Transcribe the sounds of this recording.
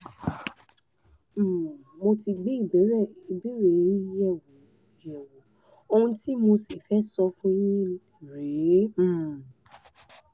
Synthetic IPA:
mo˧ti˧ɡ͡be˨˦i˦˨bɛ˨˦ɾɛ˦˨i˧be˦ɾe˦˨ĩ˦jɛ˦˨wo˨ | jɛ˨wo˨˦ | o˧hũ˧ti˦mo˧si˨fɛ˦sɔ˧fũ˦j̃ĩ˦ | ɾe˨˦˨

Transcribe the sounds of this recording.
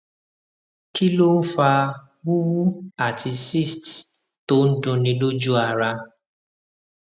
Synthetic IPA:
kʰi˦lo˦n̩˦fa˧ | bu˦wu˦a˦˨ti˧si˦˨st | to˦n̩˦dũ˧nĩ˧lo˦d͡ʒu˦a˧ɾa˧

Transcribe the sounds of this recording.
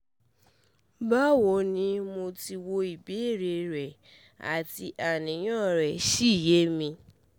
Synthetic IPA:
ba˦wo˨˦nĩ˧mo˧ti˧wo˧i˨be˨˦e˦˨ɾe˧ɾɛ˨ | a̰˨ti˧ʔa˨nĩ˨˦j̃ɔ̃˦˨ɾɛ˨ʃi˦˨je˨˦mĩ˧

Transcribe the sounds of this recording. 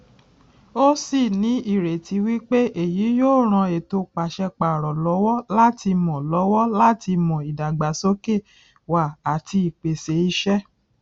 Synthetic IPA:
o˦si˦˨nĩ˨˦i˦˨ɾe˨ti˨˧˦wi˦k͡pe˦ʔe˦˨ji˨˦joː˦˨ɾ̃ã˧e˨to˧k͡pa˨ʃɛ˧k͡pa˨ɾɔ˨lɔ˨˦wɔ˦la˦ti˧mɔ̃˨lɔ˨˦wɔ˦la˦ti˧mɔ̃˨i˨da˨ɡ͡ba˨so˦ke˦˨ | wa˨a˨ti˧i˨k͡pe˨se˨˦i˧ʃɛ˦

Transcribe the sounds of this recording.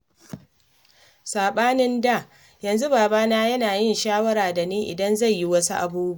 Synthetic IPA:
saː˨ɓaː˦nɪ˦nda˦˨ | jɐ˨nzu˦baː˨baː˦naː˦jɐ˦naː˨jɪ˦˨nʃaː˦wɐ˦ɾaː˨da˨niː˦ʔɪ˨dɐ˦nza˦˨jːi˦wɐ˦su˦ʔa̰˨buː˦bu˦

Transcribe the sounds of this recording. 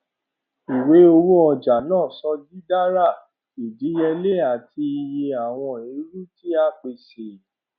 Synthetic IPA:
i˨we˨˦o˧wo˦ɔ˧d͡ʒa˨nãː˦˨sɔ˧di˦da˦ɾa˦˨ | i˨d͡ʒi˨˦jɛ˧le˦˨a˨ti˧i˧je˧a˨w̃ɔ̃˧e˨˧˦ɾu˦ti˦a˧k͡pe˨se˨

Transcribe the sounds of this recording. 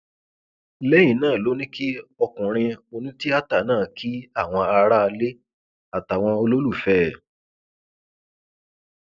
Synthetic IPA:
lɛ˦j̃ĩ˨nãː˦˨lo˨˦nĩ˦ki˦ɔ˧kũ˨ɾ̃ĩ˧o˧nũ˦ti˦a˦ta˦˨nãː˦˨kʰi˦a˦˨w̃ɔ̃˧a˧ɾa˦˧le˦ | a˦˨ta˨w̃ɔ̃˧o˧lo˦lu˦˨fɛ˦˨

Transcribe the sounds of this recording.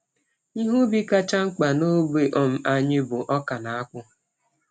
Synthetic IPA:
i˦ɦu˦bi˦ka˦t͡ʃa˦ŋ͡m̩˦k͡pa˨no˦be˨ʔɔ˦m̩˦a˦ɲɪ˦bʊ˨ʔɔ˦ka˨na˨a˦kʷʊ˦

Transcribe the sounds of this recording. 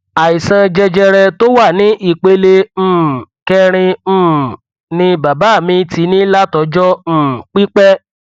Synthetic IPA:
a˨i˨sã˧d͡ʒɛ˧d͡ʒɛ˧ɾɛ˧to˦wa˦˨nĩ˨˦ʔi˦˨k͡pe˧lẽ˧˦˨kɛ˧ɾ̃ĩ˧˦˨ | nĩ˧ba˨ba˨˦˨mĩ˧ti˧˦nĩ˦la˦tɔ˧d͡ʒɔ̃˦˨k͡pi˦k͡pɛ˦

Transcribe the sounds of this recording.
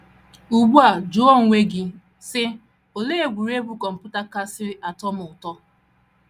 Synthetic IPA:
u˨ɡ͡bu˦a˨d͡ʒo˦ɔ˦˨ŋʷe˦ɡɪ˦ | sɪ˦ | o˨le˦e˨ɡʷu˨ɾe˦bu˨˦kɔ˨m̩˨pʊ˦ta˦ka˦sɪ˦ɾɪ˦ʔa˨tɔ˦mʊ˨ʊ˨tɔ˦

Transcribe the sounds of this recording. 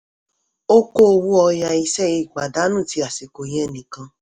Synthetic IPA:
o˦ko˦o˧wu˦ɔ˧ja˧i˧sɛ˦˨i˧˨ɡ͡ba˨da˨˦nũ˦˨ti˧a˨si˨ko˨jɛ˦nĩ˨kã˧

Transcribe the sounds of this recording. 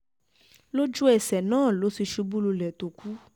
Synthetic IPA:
lo˦d͡ʒu˦ɛ˨sɛ˨nãː˦˨lo˨˦si˧ʃu˧bu˦lu˧lɛ˨to˨ku˨˦

